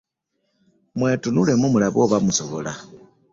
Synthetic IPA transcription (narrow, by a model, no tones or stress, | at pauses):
mwe̞ːtunulemumulaβoβamusoβola̰